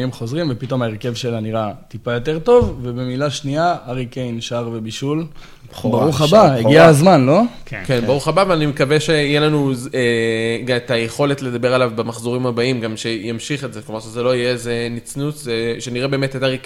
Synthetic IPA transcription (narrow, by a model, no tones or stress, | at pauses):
imχo̞zʁimvepito̞maeʁkevʃelaniʁat̪ipajo̞te̞ʁt̪o̞vvebemilaʃniaaʁikejnʃaʁve̞biʃul | baʁuχabaeɡiaazmanlo̞kkenbaʁuχabaveanimekaveʃe̞ijelanuzeɡaet̪ajeχo̞le̞tle̞d̪abe̞ʁalavbemaχzoʁimhabaimɡamʃe̞jamʃiχetzeklomaʁʃezelo̞ijezenit͡snutʃeʃe̞niʁebeːmet̪etaʁik